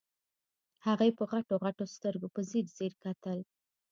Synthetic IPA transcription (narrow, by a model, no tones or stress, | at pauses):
haɣajpəɣaʈoɣaʈost̪əɾɡopəziɾzeɾkat̪əl